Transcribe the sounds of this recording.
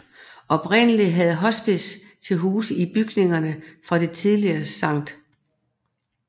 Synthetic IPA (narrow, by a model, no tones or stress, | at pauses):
ɒ̽b̥ʁen̰əliɦæð̞̩ˠɦɒ̽sb̥ist͡sʰe̝lɦuːsəib̥yɡ̥ne̝ŋɐnəfʁɑ̈d̥e̝t͡sʰið̞ˠliɐːsɑ̈ŋ̰d̥